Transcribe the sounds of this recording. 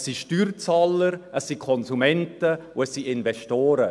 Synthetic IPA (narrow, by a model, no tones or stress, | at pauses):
siʃtyːɾt͡saləɾəsːikʰɔnsumɛntəʊəssiʔɪnvɛʃtoːɾə